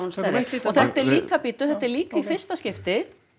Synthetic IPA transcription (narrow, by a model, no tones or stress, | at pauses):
unst̪ɛɾðɪɔθɛht̪ɛɾliːkapiːt̪ʏθɛht̪ːɛɾliːkaifɪr̥st̪ascɪft̪ɪ